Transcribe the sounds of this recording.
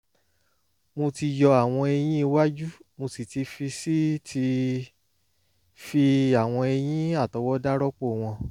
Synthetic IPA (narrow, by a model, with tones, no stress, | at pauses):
mo˧ti˧jɔ˧a˨w̃ɔ̃˧e˧j̃ĩ˦i˧wa˦d͡ʒu˦mo˧si˨ti˧fi˧si˦tʰi˧ | fi˧a˨w̃ɔ̃˧e˧j̃ĩ˦a˦˨tɔ˨˧˦wɔ˦da˦ɾɔ˦k͡po˦˨w̃ɔ̃˧